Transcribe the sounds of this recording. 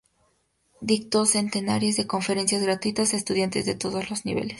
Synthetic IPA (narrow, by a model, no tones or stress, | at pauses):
d̪ikt̪ose̞nt̪e̞na̰ɾje̞zðe̞ko̞ɱfeɾe̞nsjazɣɾat̪wit̪asaest̪uðjant̪ezðe̞t̪o̞ðozlo̞znḭβḛles